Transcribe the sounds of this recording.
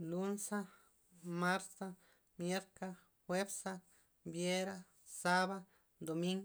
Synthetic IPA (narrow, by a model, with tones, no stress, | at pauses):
lu˦nsa˦ | ma˦ɾt̪a˧ | mje˦ɾka˦ | xwe˦bsa˦ | bje˦ɾa˦ | sa˦βa | d̪o˨mi˦ŋɡ